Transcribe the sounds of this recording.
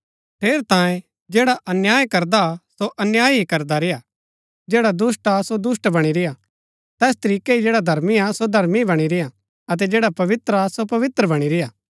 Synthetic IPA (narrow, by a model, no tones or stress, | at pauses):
ʈʰeːɾt̪ãːjẽ | d͡ʒeːɽaʔɐnjaːjkɐɾd̪asoʔɐnjaːjɦikɐɾd̪aɾɪja | d͡ʒɛːɽad̪ʊsʈasod̪ʊsʈbɐɽ̃iɾɪja | t̪ɛːst̪ɐɾiːkeɦid͡ʒeːɽad̪ʱɐɾmiasod̪ʱɐɾmibɐɽ̃iɾɪja | ɐt̪̬ɛd͡ʒɛːɽapɐʋɪt̪ɾasopɐʋɪt̪ɾəbɐɽ̃iɾɪjaː